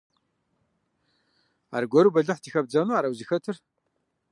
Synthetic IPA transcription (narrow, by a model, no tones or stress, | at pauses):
a̰ːrɡʷɔɾuːbɐɮɨħtʰiːxɐb̚d͡zɐnuːaːɾɐwzixɐtʰɨr